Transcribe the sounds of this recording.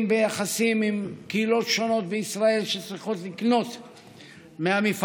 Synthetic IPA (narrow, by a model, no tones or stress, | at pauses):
mbejaχasimimkeilo̞tʃo̞no̞t̪̚beisʁae̞lʃet͡sʁiχo̞tlikno̞t̪ | meamif